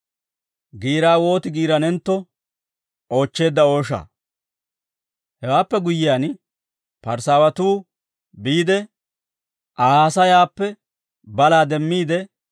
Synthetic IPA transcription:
ɡiːɾaːwo̞ːt̪ɪɡiːɾɐnɛnt̪ːɔ | o̞ːt͡ʃːe̞ːd̪ːɐo̞ːʃa̰ | hɛwaːpːɛɡʊjːɪjaːn | pɐɾsaːwɐt̪uː | biːd̪ɛ | ʔaːaːsɐjaːpːɛ | bɐlaːd̪ɛmːiːd̪ɛ

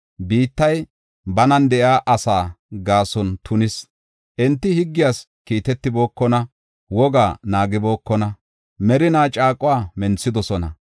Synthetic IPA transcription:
biːt̪ːɐj | bɐnɐnd̪ɛʔjaːʔɐsaːɡaːsɔnt̪ʰʊnɪs | ʔɛnt̪ːɪhɪɡːɪjaːs | kiːt̪ɛt̪ːɪbo̞ːkːɔnɐ | wɔɡaːnaːɡɪbo̞ːkːɔnɐ | mɛɾɪnaːt͡ʃʼaːkʼʊwaːmɛnt͡sːɪd̪ɔsɔnɐ̰

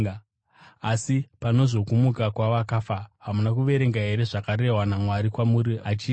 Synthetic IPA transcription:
asipano̞zo̞kumukakwaʋakafaɦamunak̬uʋe̞ɾe̞ŋɡaɦe̞ɾe̞ʐakaɾe̞ɦwanamwaɾikwamuɾiʔat͡ʃiː

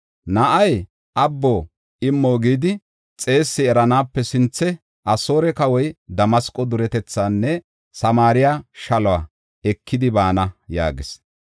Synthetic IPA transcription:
nɐʔɐj | ʔɐbːo | ɪmːoːɡiːd̪ɪ | t͡sʼe̞ːsːɪɛɾɐnaːpːɛsɪnt͡sːɛ | ʔɐso̞ːɾɛkɐwɔjd̪ɐmɐskʼːɔd̪ʊɾɛt̪ɛt͡sːaːnːɛ | sɐmaːɾɪjaʃɐlɔaː | ɛkːɪd̪ɪbaːnɐja̰ːɡɪs

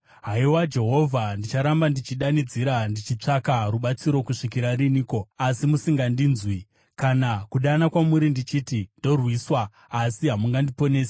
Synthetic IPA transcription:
ɦaiwad͡ʒe̞ɦo̞vʱandit͡ʃaɾambandit͡ʃiɗanid͡ziɾandit͡ʃit͡ʂakaruɓat͡siɾo̞kuʂik̬iɾariniːko̞asimusiŋɡandinzwi | kanakuɗanakwamuɾindit͡ʃiːtindo̞rwiswaː | siɦamuŋɡandipo̞ne̞ːsḁ

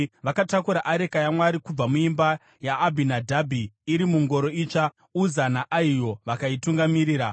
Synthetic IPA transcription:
ʋakatakuɾaʔaɾe̞kajamwaɾikub͡vamuimba | jaːbʱinadʱabʱiːɾimuŋɡo̞ɾo̞it͡ʂa | uzanaʔaijo̞ʋakaituŋɡamiɾiːɾa

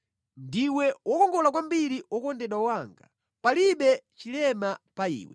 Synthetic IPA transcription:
ndiwɛwʔɔkɔŋɡɔlak̬wambiɾiwɔkɔndɛɗwaɔwaŋɡa | paliɓɛt͡ʃilɛmapaḭːwɛ̰

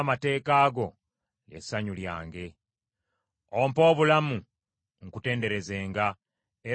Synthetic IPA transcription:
mate̞ːkaːɡo̞ | lḛsːaɲulja̰ːŋɡe̞ | ompo̞ːβulamu | ŋ̩kute̞ːnde̞ɾe̞ze̞ːŋɡa | e

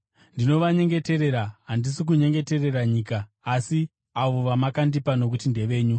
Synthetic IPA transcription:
ndino̞ʋaɲe̞ŋɡe̞te̞ɾe̞ɾaɦandisik̬uɲe̞ŋɡe̞te̞re̞raɲiːkaː | si | aʋo̞ʋamakandipano̞k̬utinde̞ʋe̞ːɲu

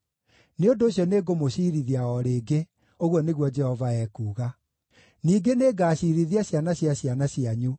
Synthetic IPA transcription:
neondoːɕjɔneɡomoɕiːɾiðiaɔɾeːɡe | oɣwɔneɣwɔd͡ʒɛhɔvaɛkuːɣa | niːɡeneɡaːɕiɾiðiaɕjanaɕjaɕjanaɕiaɲu

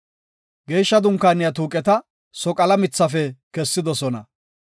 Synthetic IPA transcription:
ɡe̞ːjʃːɐd̪ʊŋkːaːnɪjɐt̪̬uːkʼɛt̪ɐ | sɔkʼɐlɐmɪt͡sːɐfɛkɛsːɪd̪ɔsɔnɐ̰

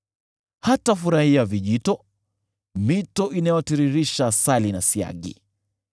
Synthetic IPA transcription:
hatafuɾahiaviʄitɔ | mitɔʔinajɔtiɾiɾiʃasalinasia̰ɠḭ

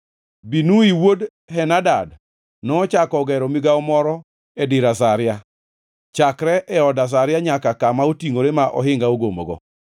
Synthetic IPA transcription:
binuiwod | hɛnadad | nɔːt͡ʃakɔɡɛɾɔmiɡaɔmɔɾɔ | ɛdɪɾas̬aɾja | t͡ʃakɾɛʔɛɔdas̬aɾjaɲakakamaotiŋoɾemaʔɔ̰ɦɪŋɡaoɡomoɡɔ̰

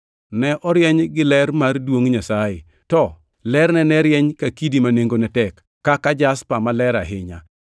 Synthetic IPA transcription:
nɛʔɔɾjɛɲɡɪlɛɾmardwoŋɲasajɪ | tɔ | lɛrnɛnɛɾjɛɲkakidimaneŋɡonɛtɛkːakad͡ʒaspamalɛɾa̰ɦɪɲa̰

